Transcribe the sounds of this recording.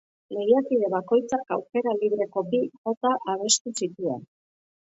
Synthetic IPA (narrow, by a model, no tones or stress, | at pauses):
le̞ɣiakiðe̞βako̞jt͡saka̰wke̞ɾaliβ̞ɾe̞ko̞biɣo̞t̪aʔaβ̞e̞st̪usit̪ua̰n